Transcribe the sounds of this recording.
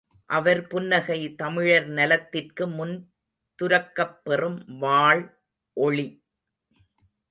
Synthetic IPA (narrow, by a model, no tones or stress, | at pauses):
ʔɐʋɐɾpʊnːɐɣɐɪt̪ɐmɪɻɐɾnɐlɐt̪ːɪrkɯmʊn | t̪ʊɾɐkːɐpːɛrɯmʋaːɭ | ʔɔɻi